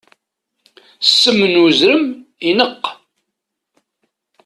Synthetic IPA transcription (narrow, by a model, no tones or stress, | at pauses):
sːəmːənwəzɾəminəqː